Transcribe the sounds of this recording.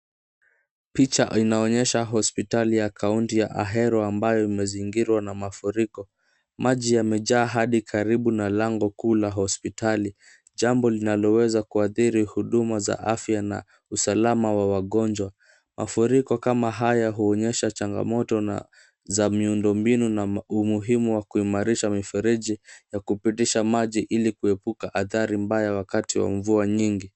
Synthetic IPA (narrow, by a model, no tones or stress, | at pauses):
pit͡ʃa̰ʔinaɔɲɛʃaɦɔspitalijakʰauntija̰ʔaɦɛɾɔambajɔimɛziŋɡiɾwanamafuɾikɔ | maʄijamɛʄaːɦaɗikʰaɾiɓunalaŋɡɔkuːlaɦɔspitali | ʄambɔlinalɔwɛzakuaθiɾihuɗumaza̰ʔafjana̰ | usalamawawaɠɔnd͡ʒwa | mʔa̰fuɾikɔkamaɦajaɦuɔɲɛʃat͡ʃaŋɡa̰mɔtɔ | zamiundɔmbinunaumuɦimuwakuimaɾiʃamifɛɾiʄijakupitiʃamaʄiʔilikuɛpukaʔaθaɾimbajawakatiwa̰ɱvuaɲiŋɡi